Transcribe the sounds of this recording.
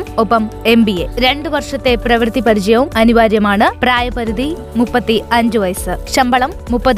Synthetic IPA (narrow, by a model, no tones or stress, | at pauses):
mopːɐme̞mbieɾe̞ɳɖɨʋɐrʂɐt̪ːe̞prɐʋrt̪ipɐɾit͡ɕɐjɐʋumɐnuʋaːɾjɐmaːɳɨpraːjɐpɐɾud̪i | mupːɐt̪ːiɐɲd͡ʑɨʋɐjsɨɕɐmbɐɭɐmːupːɐð